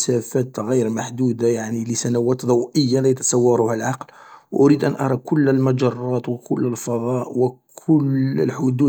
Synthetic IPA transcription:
sæfæt̪ɣijɾmaħd̪ud̪ajaʕniləsænæwæt̪d̪ˤɑwʔəjːalæjət̪ɑ̥sˤɑwːɑɾˤuhælʕɑqlwʔʊɾid̪ʔænʔɑ̰ɾˤɑkʊlːəlmæd͡ʒɑrˤːɑt̪wəkʊlːəlfɑd̪ˤɑʔwəkʰʊlə̰lħʊd̪u

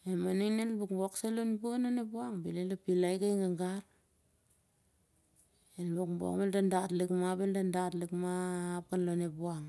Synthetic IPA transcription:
emaniŋnelbukbokselonbuanonepuaŋbilelapilajɡajŋɡaŋɡaɾ | elbukmbo̰kmeldandatlikmaβeldandatlikmaːp̚kanlonepuaŋ

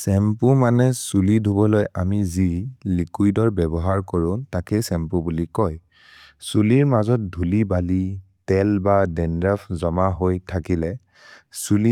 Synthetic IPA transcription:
sɛmpumanɛsulidʱubɔlojamizilikujdɔɹbɛbɔɦaɹkɔɹʊ̃takɛsɛmpubulikɔj | suliɹmazɔt̚dʱulibali | tɛlbadɛndapʰzɔmaɦojtʰakilɛ | suli

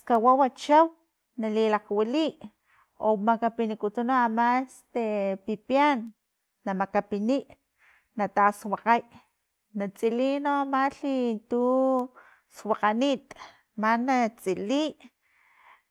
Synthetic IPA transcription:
kawawat͡ʃaw | nalilaqwiliʔ | omakapinikut̪unoamast̪epipjanː | amakapiniʔ | nat̪aswaqaj | nat͡sʼilinoamaɬit̪u | swaqanit̪ | manat͡sʼiliʔ

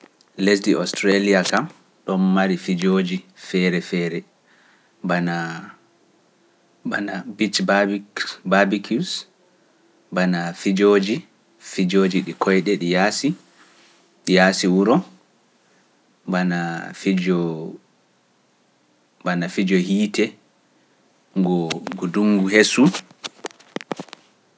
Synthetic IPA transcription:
les̬diʔɔstɾaliakam | ɗɔnːaɾifid͡ʒoːd͡ʒifɛɾɛfɛːɾɛ | bana | banabit͡ʃbabbabikʰus | banafid͡ʒod͡ʒi | fid͡ʒoːd͡ʒiɗikʰɔjɗɛɗijasi | ɗijaːsiwuɾɔ | banafid͡ʒɔ | banafid͡ʒɔhiːtɛ | ŋɡɔɡuduŋɡuɦesu

